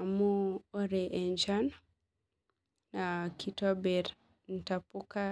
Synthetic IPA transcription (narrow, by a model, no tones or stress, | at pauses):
muːɾɛʔɛɲd͡ʒan | nakitɔbɛɾ | n̩tapuka